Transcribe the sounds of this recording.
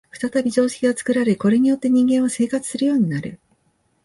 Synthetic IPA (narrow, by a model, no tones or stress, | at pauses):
ɸɯ̟̥t̪at̪abʲiʑo̞ːɕe̥kʲiɡat͡sɨ̥kɯ̟ɾaɾeko̞ɾe̞ɲ̟ijo̞t̪ːe̞ɲ̟ĩŋɡẽɰ̃ose̞ːkat͡sɨ̥sɨɾɯ̟jo̞ːɲ̟inaɾɯ̟